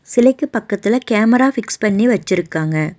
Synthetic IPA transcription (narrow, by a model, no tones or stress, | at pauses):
sɪlɐɪkːɯpɐkːɐt̪ːɪlɐkeːmɐɾaːfɪkspɐɳːiʋɐt͡ʃːɪɾɯkːaːŋɡɐ